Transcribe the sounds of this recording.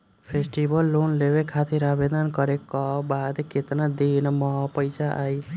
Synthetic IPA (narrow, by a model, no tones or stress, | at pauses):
pʰesʈibəlːonleʋekʰat̪ʰeɾabed̪ankəɾekabad̪kɪt̪nad̪inmapəjsaʔai